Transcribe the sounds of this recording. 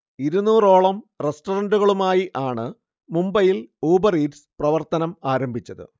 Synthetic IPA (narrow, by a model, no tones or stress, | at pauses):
iɾunːuːro̞ːɭɐmre̞sʈɐrɐnɖuɣɐɭumaːjiʔaːɳɨ | mumbɐjiloːbɐriːdsɨ̥prɐʋɐrt̪ɐnɐmaːɾɐmbʱit͡ɕːɐðɨ̰